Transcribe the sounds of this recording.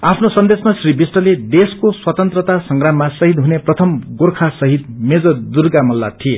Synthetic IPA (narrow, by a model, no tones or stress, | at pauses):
apʰnosʌnd̪esmasribisʈʌled̪eskoswʌt̪ʌnt̪rʌt̪asʌŋɡramːasʌɦid̪ɦuneprʌt̪ʰʌmɡorkʰasʌɦit̪̚med͡zʌd̪urɡamʌlːa̰t̪ʰie